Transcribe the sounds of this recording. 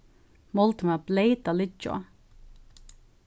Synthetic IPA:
mɔlt̪mɛblejt̪alɪt͡ʃːo̰

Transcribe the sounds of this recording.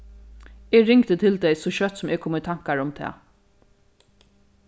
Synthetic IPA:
eːɹɪŋkt̪ət̪ʰɪlt̪ɛjsɔʃœt̪sʊmɛːkʰoːmət̪ʰaŋ̥kaɹʊmt̪ʰɛ̰ː

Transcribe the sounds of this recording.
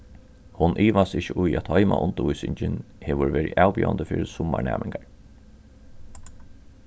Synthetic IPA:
hʊnʔiːʋasɪçəʔʊjæt̪hɔjma̰ʔʊnt̪əʊjsɪɲt͡ʃɪnheːʋʊɾʋeːɾiʔæːwpjḭːand̪əfɪːɾɪsʊmːaɳɛ̰ːmɪŋkaɹ

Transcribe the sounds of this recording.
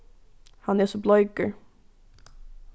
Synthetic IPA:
hanæsɔblɔjɡə

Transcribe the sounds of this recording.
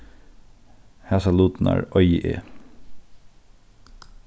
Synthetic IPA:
hæːsɑluːt̪n̩ʔæ̰ːɹʔœʏʔḛː

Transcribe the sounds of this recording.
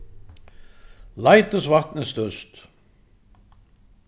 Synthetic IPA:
lajt̪ʏsvaht̪nɪst̪œst̪

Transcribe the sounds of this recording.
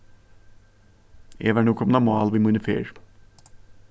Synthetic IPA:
ḛːʋæːɳuːkʰɔmnɔmɑːlʋiːmunəfḛːɹ

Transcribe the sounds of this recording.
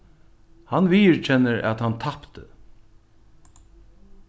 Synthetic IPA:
hanviːəɹt͡ʃʰɛnːəɾæ̰t̪hant̪ʰapt̪ə̰

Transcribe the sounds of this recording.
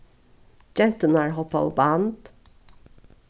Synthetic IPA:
d͡ʒɛnt̪ənaɹɦɔpːaɔ̰band̪

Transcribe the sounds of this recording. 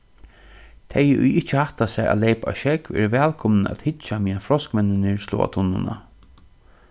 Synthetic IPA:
t̪ʰɛjʊ̰jɪht͡ʃəhaht̪asɛɾʔa̰lejpa̰ʃɛkvɛ̰ɾvɛːlkʰɔmnəæ̰t̪hɪt͡ʃːamiːafɾɔskmɛnːɪnɪɹslɔ̰ːa̰t̪ʰʊnːʊna̰

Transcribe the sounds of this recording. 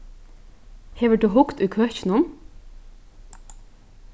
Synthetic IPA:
heːʋəd̪ʉːɦʊkt̪ʉjkʰœçɪnʊn

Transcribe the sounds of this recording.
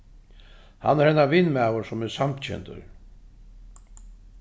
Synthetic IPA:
ha̰nːɛɾhɛnːavɪnmæːwʊɾsʊmɛɾsamt̪t͡ɕʰɛ̰nt̪ə̰ɾ

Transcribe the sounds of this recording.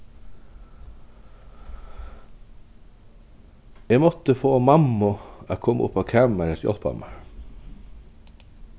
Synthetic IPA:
ɛːmɔt̪əfoːmɑmːʊakʰɔmːʔʊ̰pːɑʋkʰæːmæɾət̪jɔ̰lpɑ̰mə

